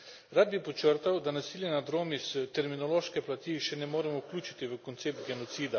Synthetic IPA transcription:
ɾad̪̚bipɔt͡ʃəɾt̪awd̪anasiːljɛnad̪ɾoːmisət̪ɛɾminɔloːʃkɛplat̪iʃɛnɛmoːɾɛmɔwklʲuːt͡ʃit̪iʋəkont̪seːp̚t̪̚ɡɛnɔt̪siːd̪a

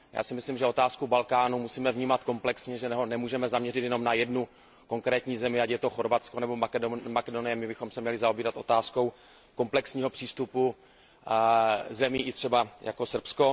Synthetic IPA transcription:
ja̰ːsɪmɪslɪmʒɛo̞t̪aːskubalkaːnumusiːmɛvɲiːmat̪ko̞mplɛksɲɛʒɛnɛɦonɛmuːʒɛmɛzamɲɛrɪt̪jɛnomnajɛdnu | ko̞ŋkɾɛːt̪ɲiːzɛmɪacjɛt̪o̞xo̞ɾvat̪t͡ssko̞nɛbo̞makɛdomakɛdonɪjɛmɪbɪxo̞msɛmɲɛlɪzaobiːɾat̪ʔo̞t̪aːsko̞w | ko̞mplɛksɲiːɦo̞pr̝̥iːst̪upu | zɛmiːʔɪt̪r̥ɛbaja̰ko̞sr̩psko̞

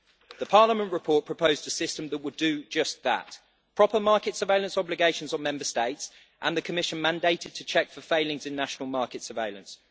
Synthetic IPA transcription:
ðəpʰɑːləmə̃nʔɹɪpʰɔˑʔpʰɹ̥əpʰəʊzdəsɪstə̃mðəʔwədəd͡ʒʌsðə̰ʔ | pʰɹ̥ɒpəmɑˑkɪtsəveɪlə̃nsɒblɪɡeɪʃə̃nzn̩mɛ̃mbəsteɪts | ʔə̰̃nðəkʰəmɪʃə̃nmãndeɪtɪd̚tʰət͡ʃʰɛkfəfeɪlɪ̃ŋzɪ̃nːaʃənəlˠmɑˑkɪtsəveɪlə̃ns

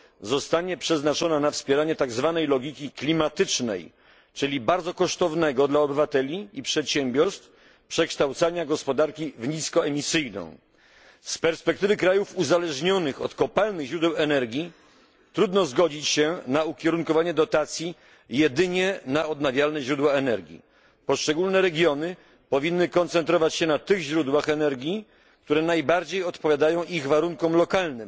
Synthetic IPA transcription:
zɔst̪aɲɛpʂɛznat͡ʂɔnanafspʲjɛɾaɲɛt̪aɡzvanɛjlɔɡʲikʲiklʲimat̪ɘt͡ʂnɛ̰j | t͡ʂɘlʲibaɾd̪zɔkɔʂt̪ɔvnɛɡɔd̪laɔbɘvat̪ɛlʲiipʂɛt̪ɕɛmbʲjɔɾst̪f | pʂɛkʂt̪awt̪saɲaɡɔspɔd̪aɾkʲivɲiskɔɛmʲisɘjnɔ̰̃w̃ | spɛɾspɛk̚t̪ɘvɘkɾajufuzalɛʐɲɔnɘxɔt̪kɔpalnɘɣʑɾud̪ɛwɛnɛɾɡʲi | t̪ɾud̪nɔzɡɔd͡ʑit͡ɕɕɛnaukʲjɛɾuŋkɔvaɲɛd̪ɔt̪at̪sʲji | jɛd̪ɘɲɛnaɔd̪navʲjalnɛʑɾud̪waɛnɛɾɡʲḭ | pɔʂt͡ʂɛɡulnɛɾɛɡʲjɔnɘ | pɔvʲinːɘkɔnt̪sɛnt̪ɾɔvat͡ɕɕɛnat̪ɘɣʑɾud̪waxɛnɛɾɡʲi | k̚t̪uɾɛnajbaɾd͡ʑejɔt̪pɔvʲjad̪ajɔ̃w̃ʔiɣvaɾuŋkɔmlɔkalnɘm

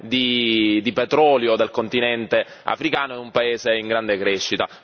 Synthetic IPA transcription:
d̪id̪ipet̪ɾɔːljod̪elkont̪inɛnt̪e | a̰fɾikaːnoɛumpaeːzeiŋɡɾand̪ekɾɛʃːit̪a

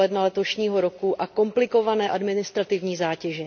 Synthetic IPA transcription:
ɛdnalɛt̪o̞ʃɲiːɦo̞ɾokuʔako̞mplɪko̞vanɛːʔadmɪnɪst̪ɾat̪ɪvɲiːzaːcɛʒɛ

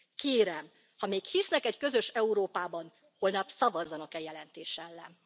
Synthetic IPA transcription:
keːɾɛm | hɒmeːkhisnɛkɛckø̞zø̞ʃɛuɾoːpaːbɒn | ho̞lnɒpsɒvɒzːɒnɒkɛjɛlɛnt̪eːʃɛlːɛ̰n

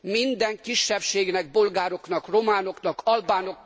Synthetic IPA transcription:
mind̪ɛŋkiʃːɛpʃeːɡnɛɡ̚bo̞lɡaːɾo̞knɒkro̞maːno̞knɒkʰɒlbaːno̞k

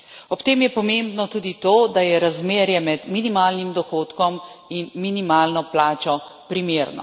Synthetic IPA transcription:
ɔpt̪eːmjɛpɔmẽmbnɔt̪uːd̪it̪oːd̪ajɛɾazmeːɾjɛmɛd̪minimaːlnimd̪ɔxoːt̪kɔminminimaːlnɔplaːt͡ʃɔpɾimeɾnɔ̰

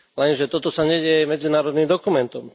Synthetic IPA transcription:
lɛnʒɛt̪ɔt̪ɔsaɲɛɟɛjɛmɛd͡zinaːɾɔd̪nimd̪ɔkumɛnt̪ɔm

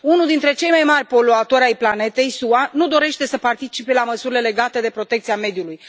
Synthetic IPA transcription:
unuld̪int̪ɾe̞t͡ʃe̞jmajmarʲpo̞loat̪oɾʲajplane̞t̪e̞jsuanud̪o̞ɾe̞ʃt̪e̞səpart̪it͡ʃipe̞laməsuɾile̞le̞ɡat̪e̞d̪e̞pɾo̞t̪ekt̪siame̞d̪juluj

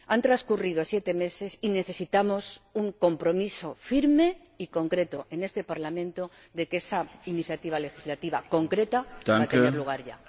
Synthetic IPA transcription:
ant̪ɾaskuriðosje̞t̪e̞me̞se̞sine̞θe̞sit̪amo̞suŋko̞mpɾo̞miso̞fiɾme̞ | iko̞ŋkɾe̞t̪o̞ʔe̞ne̞st̪e̞paɾlamẽ̞nt̪o | ðe̞kesainiθjat̪iβ̞ale̞xizlat̪iβako̞ŋkɾe̞t̪at̪ateneluɣ̞aɾʝa̰

